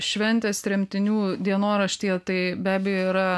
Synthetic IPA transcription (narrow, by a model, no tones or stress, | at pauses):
ʃʲʋʲɛnʲt̪ʲeːst̪ɾʲɛmʲt̪ʲɪnʲuːd̪ʲiɛnoːɾɐʃʲt̪ʲiɛt̪ɐɪbʲæːbʲɛjoːiːɾɐ